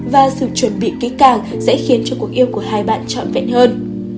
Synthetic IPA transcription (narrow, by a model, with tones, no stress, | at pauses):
vaː˨˩sɨ̰˧˩t͡ɕwə˨˧˩nɓḭ˧˨ki˨˦kaː˧˩ŋ | sɛ̰˧˥xi˨˦ənt͡ɕɔ˧ku˨˩ək̚ʔi˧əwku˧˩əɦaː˧jɓa̰ː˧˨nt͡ɕɔ̰˧˨nvɛ̰˧˨nhəː˧n